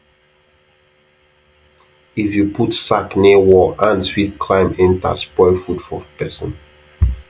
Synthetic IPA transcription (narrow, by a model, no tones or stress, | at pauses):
ifjupʰutsaknewɔʔãnswitkʰlãɪ̃mɛ̃nta̰spɔɪfudfɔpɛsə̰̃n